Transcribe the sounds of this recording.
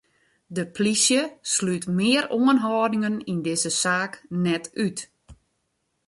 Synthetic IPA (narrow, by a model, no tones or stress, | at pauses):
dəpʰlisjəslytmɪːəɾoənɦɔːdɪŋənindɪzəsaːknɛtyt